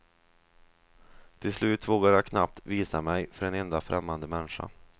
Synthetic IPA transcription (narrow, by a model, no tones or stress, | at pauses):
t̪ʰɪlslʉ̟ːt̪voːɡaɾjakʰnap̚t̪viːsamɛjfœɾɛnɛnd̪afɾɛ̰mːand̪əmɛnɧa̰